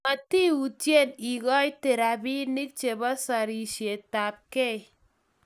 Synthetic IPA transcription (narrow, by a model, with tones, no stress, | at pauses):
ma˨ti˦u˨tje˦ni˨ɡɔ˦jte˨ɾa˨bi˦ni˦k̚t͡ʃe˨ba˦sa˨ɾi˨ʃe˨ta˨p̚ke˦